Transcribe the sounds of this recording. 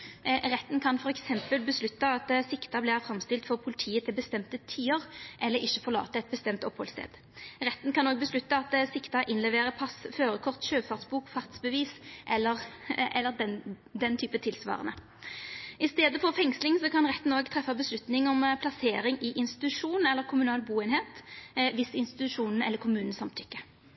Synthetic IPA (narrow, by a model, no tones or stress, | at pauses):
ʁɛt̪ːn̩kʰɑnfɔʁɛksɛmpəlbəslʉt̪ːɑɑt̪sɪkt̪ɑbliːʁfʁɑmst̪ɪlt̪fɔʁpʰʊlɪt̪ʰiːət̪ʰɪlbəst̪ɛmt̪ət̪ʰyːəʁʔɛlːəɾɪçːəfɔʁlɑ̰ːt̪əɛt̪̚bəst̪ɛmt̪ɔphɔ̰lst̪ḛːd̪ | ʁɛt̪ːnkʰɑnoːɡ̚bəslʉt̪ːɑɑt̪sɪkt̪ɑʔɪnlɛʋeːʁəpʰɑsføːʁəkʰɔʁt̪ɕøːfɑʁsbuːkfɑʁt̪sbəʋiːsʔɛlːəʁɛlːəʁd̪ɛn | d̪ɛnt̪ʰyːpət̪ʰɪlsʋɑ̰ːʁə̰nə̰ | ɪst̪eːd̪əfɔʁfɛŋslɪŋsɔkʰɑnʁɛt̪ːn̩oːɡt̪ʰʁɛfːɑbəslʉt̪nɪŋɔmpʰlɑseːɾɪŋɪʔɪnst̪ɪ̥t̪ʉʂuːnn̩ɛlːəʁkʰʊmʉnɑːlbuːeːnheːt̪ʋɪsɪnst̪ɪt̪t̪ʉʂuːnn̩ɛ̰lːəɾkʰʊmʉːnn̩sɑmt̪ʰʏkːə